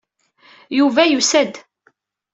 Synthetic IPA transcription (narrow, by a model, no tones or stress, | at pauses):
juvæjusæd̪